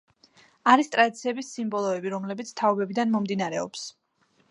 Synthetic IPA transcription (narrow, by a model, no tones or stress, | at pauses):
aɾist̪ʼɾad̪it̪sʰiɛbisːimbɔlˠɔɛbiɾɔmlɛbit̪sʰt̪ʰaɔbɛbid̪anmɔmd̪inaɾɛɔps